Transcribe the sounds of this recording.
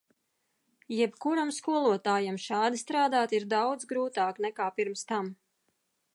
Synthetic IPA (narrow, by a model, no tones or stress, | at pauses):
jɛpkuɾamskuɔlˠuɔt̪aːjamʃaːd̪ist̪ɾaːd̪aːt̪iɾd̪awd̪zɡɾuːt̪aːknɛkaːpiɾmst̪am